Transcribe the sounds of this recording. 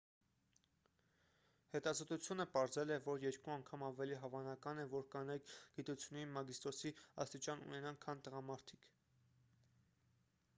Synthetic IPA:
hɛt̪ɑzɔt̪ut͡sʰjunəpɑɾzɛlɛvɔɾjɛɾkuɑŋkʰɑmɑvɛliɦɑvɑnɑkɑnɛvɔɾkɑnɑjkʰɡ̥it̪ut͡sʰjunːinmɑɡist̪ɔsiɑ̰st̪it͡ʃɑnṵnɛnɑnkʰːɑnt̪əʁɑmɑɾt̪ʰi̥kʰ

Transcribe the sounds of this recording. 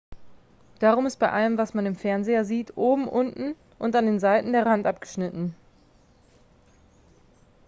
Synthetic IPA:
d̥aːʁ̞ʊmɪst̚b̥aɪʔaləmvasmanɪmfɛɐnzeːɐziːtʰʔoːbm̩ʔʊntn̩ | ʔʊntandeːnzaɪtn̩deːɐʁantʔap̚ɡ̥ə̥ʃnɪtn̩

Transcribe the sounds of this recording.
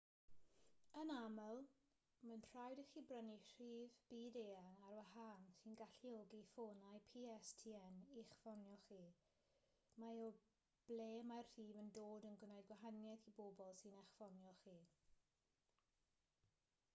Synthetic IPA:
ənamɛlˠ | mənr̥ajdəχiːbrənir̥iːvb̥iːdeːaŋarwaɦansɨnɡaɬioɡifoːnajpʰiːɛstʰiɛniχfɔnjɔχiː | majɔ | b̥leːmarr̥iːvəndoːdənɡwənajdɡwaɦanjɛθibobɔlˠsɪnɛχfɔnjɔχiː

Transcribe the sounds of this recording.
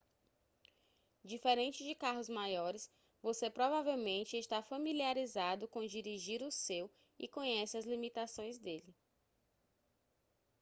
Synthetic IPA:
d͡ʒifeɾẽnt͡ʃɪd͡ʒɪkaɦʊzmajɔɾɪs | vosepɾɔvavewmẽnt͡ʃɪɪʃt̪afɐmiliaɾizad̪ʊkõd͡ʒiɾiʒiɾʊsew | ɪ̰kõɲɛsɪazlimit̪asõj̃zd̪elɪ

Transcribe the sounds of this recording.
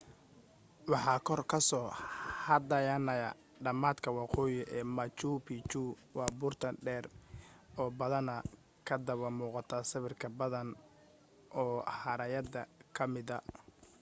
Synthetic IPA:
wɑħɑːkʰɔrkʰɐsɔːhɐd̪ɐjɐnɐjɐ | ɖɐmaːd̪kʰɐwɑqɔːjɪʔɛːmɐt͡ʃuːpʰit͡ʃuː | wɑːbʊːrt̪ʰɐnɖɛːr | ɔːbɐðɐnɐ | kʰɐd̪ɐβɐmuːqɑt̪ʰɐsɐβɪrkʰɐbɐðɐn | ʔɔːhɐɾɐjɐd̪ɐkʰɐmɪðɐ

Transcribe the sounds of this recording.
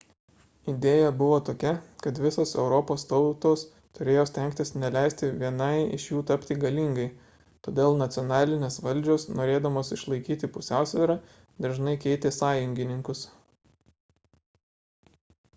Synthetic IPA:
ɪd̪ʲeːjɛbʊʋoːt̪oːkʲɛkɐt̪ʋʲɪsoːsɛʊɾɔpoːst̪ɒʊt̪oːs | t̪ʊɾʲeːjoːsʲt̪ʲɛŋʲkʲt̪ʲɪsnʲɛlʲæˑɪsʲt̪ʲɪʋʲiɛnɐɪɪ̰ʃjuːt̪ɐpʲt̪ʲiɡɐlʲiŋɡɐɪ | t̪o̰ːd̪ʲeːlˠnɐt̪sʲɪɔnɑːlʲɪnʲeːsʋɐlʲd͡ʒʲoːsnoːɾʲeːd̪ɐmoːsɪʃlˠɐɪkʲiːt̪ʲɪpʊsʲæˑʊsʲʋʲɛɾɑ | d̪ɐɾʒnɐɪkʲɛɪt̪ʲeːsɑːjʊŋʲɡʲɪnʲɪŋkʊs

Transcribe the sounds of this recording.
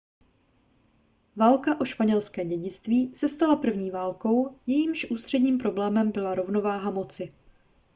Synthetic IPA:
vaːlkaʔo̞ʃpaɲɛlskɛːɟɛɟɪt͡st̪viːsɛst̪alapr̩vɲiːvaːlko̞wjɛjiːmʃʔuːst̪r̝̥ɛdɲiːmpɾo̞blɛːmɛmbɪlaɾo̞vno̞vaːɦamo̞t͡sɪ

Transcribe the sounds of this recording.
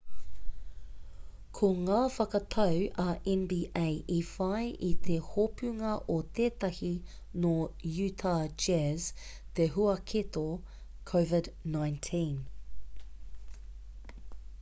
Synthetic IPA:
kʰoŋaːfɐkɐt̪ʰɐwɐʔɛ̃nbiːʔejʔifɐjʔit̪ʰehopʉŋɐʔot̪ʰeːt̪ɐhi | nojʉːt̪ʰad͡ʒɛz̥ | t̪eɦuɐkʰet̪o | kʰowvɪdnãjntʰĩn

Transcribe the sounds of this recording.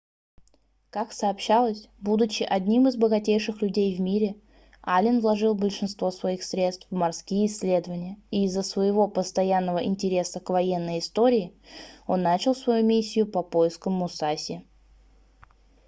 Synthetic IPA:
kaksəːpɕːalˠəsʲbud̪ʊt͡ɕɪʔɐdʲnʲimɨzbəɡɐtʲejʂɨxlʲʉdʲejvmʲiɾʲɪ | alʲɪnvlˠɐʐɨlˠbəlʲʂɨnst̪vo̞svɐixsɾʲe̞t̪st̪fmɐrskʲijəɪsʲːlʲe̞d̪əvənʲɪjəiːzːəsvəjɪvo̞pəst̪ɐjanːəvəʔɪnʲtʲɪɾʲe̞səkvɐje̞nːəjɪst̪o̞ɾʲɪːo̞nːat͡ɕɪlˠsvɐjumʲisʲːɪjʊpɐpo̞jɪskəmːʊsasʲɪ

